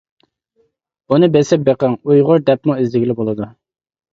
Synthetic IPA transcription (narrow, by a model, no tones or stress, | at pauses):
bunɨbesɛp̚beqəŋujʁʊɾd̪ɛpmuizd̪ɪɡʲilɪbolˠɨd̪u